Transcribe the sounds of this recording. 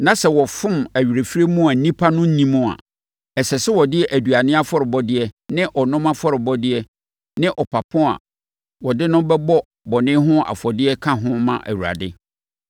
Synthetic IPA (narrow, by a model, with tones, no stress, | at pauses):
nã˨sɛ˨wɔ˨fʊ̃˦mæ˨ɥi˨ɾe˨fi˦ɾe˦mũ˦a˨n̩˦nĩ˦pʰa˦nʊ̃˦n̩˦nĩ˦mʊ̃˦a̰˨ | ɛ˨sɛ˨sɛ˦wɔ˨dɪ˦ʔæ˨du˨a˨nɪ̃˦a˦fɔ˦ɾɪ˨bɔ˦dɪ˦ɛ˦nɪ̃˦ʔɔ˨nʊ̃˦mã˦fɔ˦ɾɪ˨bɔ˦dɪ˦ɛ˦ | nɪ̃˦ʔɔ˨pʰa˨pʰɔ̃˦a̰˨ | wɔ˨dɪ˦nʊ̃˦bɛ˦bɔ˦ | bɔ˨nɪ̃˦ɦʊ̃˦a̰˨fɔ˨dɪ˦ɛ˦kʰã˦ɦʊ̃˦mã̰˦ʔæ̰˨wu˨ɾa̰˨dɪ˦